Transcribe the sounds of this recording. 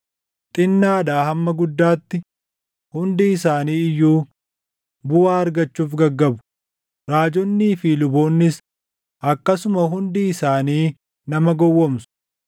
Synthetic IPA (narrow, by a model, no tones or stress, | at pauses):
t̪ʼɪnːaːᶑaːhɐmːɐɡʊd̪ːaːt̪ːɪ | hʊnd̪ɪːsaːniːɪjːuː | bʊwaːɐɾɡɐt͡ʃːuːfɡɐɡːɐbʊ̥ | ɾaːd͡ʒɔnːiːfɪlʊboːnːɪs | ʔɐkːɐsʊmɐɦʊnd̪ɪɪsaːniː | nɐmɐɡɔwːɔmsʊ̥